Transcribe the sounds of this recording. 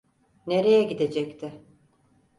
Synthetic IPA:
ne̞ɾe̞jɛɟid̪e̞d͡ʒɛct̪ʰɪ

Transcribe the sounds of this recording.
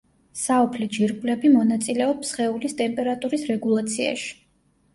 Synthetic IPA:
saɔpʰlɛd͡ʒiɾɡʼlɛbimɔnat̪sʼilɛɔpsχɛulist̪ʼɛmpʼɛɾat̪ʼuɾisɾɛɡulˠat̪sʰia̰ʃi̥

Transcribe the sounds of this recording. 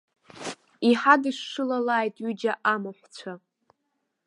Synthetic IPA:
iħadɨʂːɨlalaːjtʼɥyd͡ʒaʔamoħʷt͡sʷʰa

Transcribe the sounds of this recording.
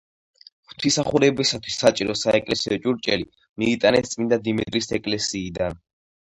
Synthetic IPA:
χt̪ʰisaχuɾɛbisat̪ʰwi̥sːat͡ʃʼiɾɔsaɛkʼlɛsiɔt͡ʃʼuɾt͡ʃʼɛli | miːt̪ʼanɛt̪sʼmind̪ad̪imit̪ʼɾisɛkʼlɛsiːd̪an

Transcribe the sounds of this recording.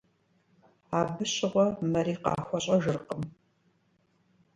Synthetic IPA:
aːbɨɕɪʁʷɔmɐɾiːqɑ̰ːxʷɔɕʼɐʒɨrqəm

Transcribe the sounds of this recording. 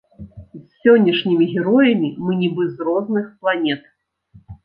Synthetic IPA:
zʲsʲɔnʲːɐʂnʲimʲiɣʲɛɾɔjɐmʲimɨnʲibɨzrɔznɨxplˠanʲɛt̪

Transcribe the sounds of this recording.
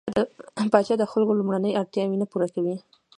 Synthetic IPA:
d̪əpɑt͡ʃɑd̪əxalkolumɽanəjaɽt̪jɑwenapuɾakawi

